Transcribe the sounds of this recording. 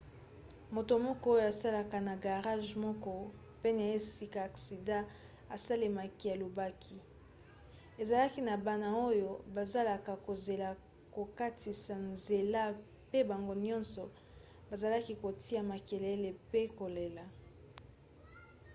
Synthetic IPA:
mo˨to˨mɔ˦kɔ˦o˦jo˨a˨sa˦la˨ka˨na˨ɡa˨ʁa˦ʒmɔ˦kɔ˦ | pe˦na˨e˦si˦ka˨a˨ksi˨dã˦ | a˨sa˦le˨ma˨ki˦a˨lo˨ba˦kʰi˦ | e˨za˨la˦ki˦na˨ba˦na˨o˦jo˦ba˨za˦la˨ka˨ko˨ze˨la˨ | ko˨ka˦ti˨sa˨nze˨la˦ | pe˦ba˨ŋɡo˦ɲɔ̃˦nsɔ˨ | ba˨za˨la˦ki˦ko˨ti˦a˨ma˨ke˨le˦le˨pe˦ko˨le˨la˨

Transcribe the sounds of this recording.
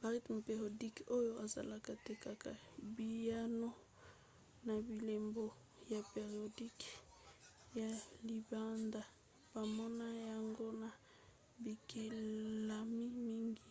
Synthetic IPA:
ba˨ʁi˦tm˨pe˨ʁo˨di˦ko˦jo˦ʔa˨za̰˨la˨ka˨te˨ka˦ka˨bi˨ja˦no˦ | na˨bi˨le˨mbo˦ | ja˨pe˨ʁi˨o˨di˦k | ja˨li˨ba˦nda˨ | b̥a˨mɔ˦na˦ja˨ŋɡo˦na˨ | bi˨ke˨a˨mi˦mi˦ŋɡi˨

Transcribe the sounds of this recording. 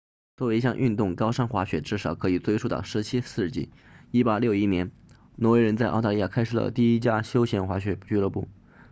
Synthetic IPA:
t͡swwe˧˥i˧˩ɕjɑ˥˧ŋʔy˥˧nt̪ʊ˥˩ŋkɑ˥ʊʂɑ˥ŋxwa˧˥ɕɥɛ˨˧˥ʈ͡ʂɻ̩˥˩ʂɑ˨˩˦ʊkʰɤ˧˥i˨˩t͡swe˥˧ɪʂʰu˥˧t̪ɑ̰˥˩ʊʂɻ̩˧˥t͡ɕʰi˥sɹ̩˥˧t͡ɕḭ˥˩ | i˥pa˥˩ljo˥˩ʊi˥njɛ˧˥n | nwɔ˧˥we˧˥ɪɻə˧˥nt͡sa˥˧ɪʔɑ˥˧ʊt̪a˥˧li˥˧ja̰˥˩kʰa˥ɪʂɻ̩˨˩lə̰˩t̪i˥˩i˥t͡ɕja˥ɕjo˥ʊɕjɛ˧˥nxwa˧˥ɕɥɛ˧˥t͡ɕy˥lɤ˥˧pu˥˩

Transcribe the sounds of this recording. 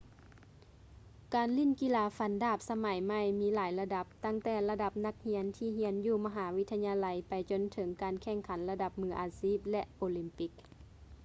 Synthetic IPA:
kaː˨nli˧˥˩nki˧˥laː˧fa˨˦ndaː˧˩p̚sa˧ma˨˩˦jma˧˥˩jmiː˧˥laː˨˦jla˧da˧˥p̚t̪a˧˥˩ŋt̪ɛː˧˩la˧da˧p̚na˧k̚hi˧˥ənt̪ʰiː˧˩ɦi˧˥ənjuː˧˩ma˧ɦaː˩˦wi˦˥t̪ʰːa˧ɲaː˧la˧˦jpa˨jt͡ɕo˧˨nt̪ʰɤ˨˩˦ŋkaː˨nkʰɛ˧˩˨ŋkʰa˨˩˦nla˧da˧p̚mɯː˧˥ʔaː˨˦siː˧˥˩p̚lɛ˧ʔʔoː˨˧˦li˧˦mpi˧˦˥k̚

